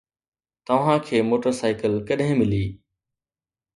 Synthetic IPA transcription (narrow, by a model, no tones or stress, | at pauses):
t̪ɐʋ̤ãkʰeːmoːʈəɾsaːɪkəlkɐɗɦɪ̃mɪliː